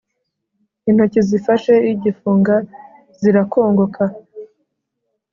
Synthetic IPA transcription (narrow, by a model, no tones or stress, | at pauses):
in̥hucizifaʃe̞iɟifuːŋɡa | z̥iɾakʰo̞ːŋɡokʰa